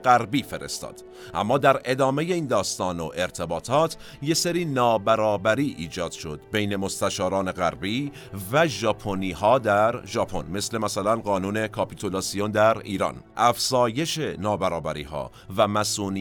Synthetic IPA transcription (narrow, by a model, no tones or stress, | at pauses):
ɢæɾbiːfe̞ɾe̞̰st̪ɒ̰ːd̪̥ | ʔæ̰mːɒːd̪æɾe̞d̪ɒːme̞je̞iːnd̪ɒːst̪ɒːnoʔe̞ɾt̪ʰe̞bɒːt̪ʰɒːt̪ʰ | je̞seɾiːnɒːbæɾɒːbæɾiːʔiːd͡ʒɒːd̪̥ʃo̞d̪̥be̞jne̞mo̞st̪æʃɒːɾɒːne̞ɣæɾbiː | væʒɒːpʰoniːɦɒːd̪æɾʒɒːpʰo̞̰nme̞sle̞mæsælænɢɒːnuːne̞kʰɒpʰit̪ʰolɑsiond̪æɾḭːɾɒ̰ːnʔæfz̥ɒːje̞ʃe̞nɒːbæɾɒːbæɾḭːɦɒ̰ː | væmæsuːniː